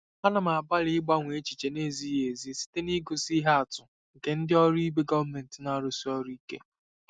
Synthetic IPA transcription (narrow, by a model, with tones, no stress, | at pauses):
pa˦na˨ma˨a˨ba˦ɾɪ˨˦ɪ˦ɡ͡ba˦ŋʷe˨e˦t͡ʃi˨t͡ʃe˨ne˦˨zi˦e˨zi˦si̥˦te˦ni˦ɡo˨si˦ɦa˦a˨tʊ˨ | ŋ̩˨ke˨n̩˦dɪ˦ɔ˦ɾi˦be˦ɡɔ˦vme˨n̩˨tɪ˨na˨ɾo˨si˦ɔ˦ɾi˦i˦kḛ˦